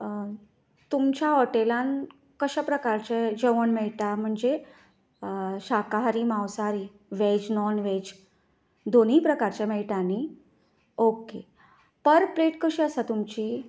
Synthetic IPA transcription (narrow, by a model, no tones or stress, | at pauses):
t̪umt͡ɕjaɦɔʈelãn | kəɕapɾəkaɾt͡ɕɛd͡ʑeʋəɳmɛɭʈam̤əɳd͡ze | ɕakaɦaɾiːmãwsaɾi | ʋed͡ʑnɔnʋed͡ʑ | d̪oniːpɾəkaɾt͡ɕɛ̃mɛɭʈani | oke | pəɾpleʈkəɕiəsat̪umt͡ɕi